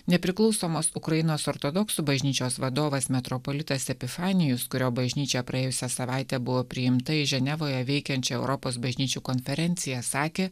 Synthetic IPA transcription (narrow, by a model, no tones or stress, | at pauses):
nʲɛpʲɾʲɪklˠɒʊsoːmoːsʊkɾɐjɪnoːsɔːɾt̪od̪ɔksubɐʒʲnʲiːt͡ʃʲoːsʋɐd̪oːʋɐsmʲɛt̪ɾɔpolʲɪt̪ɐsʲɛpʲɪfɑːnʲɪjʊskʊɾʲoːbɐʒʲnʲiːt͡ʃʲɛpɾɐeːjʊsʲɛsɐʋɑˑɪt̪ʲɛːbʊʋoːpʲɾʲɪjɪmt̪ɐɪʒʲɛnʲɛʋoːjɛʋʲɛɪkʲɛnʲt͡ʃʲɛɛʊɾɔpoːsbɐʒʲnʲiːt͡ʃʲuːkonʲfʲɛɾʲɛnʲt̪sʲɪjɛsɑːkʲeː